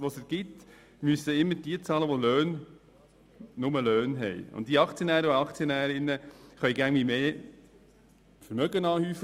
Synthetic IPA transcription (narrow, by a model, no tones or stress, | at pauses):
ʋosəɾɡ̥ɪt | myəsəɪmːəɾd̥iət͡sɑːləʋoløːn | ʊməløːnɦɛjʊ̰nt̚diəɑkt͡sjənæːɾəoɑkt͡sjonæːɾɪnːəχœʏjɡæŋʋimeː | fəɾmœɡənɑːhyːf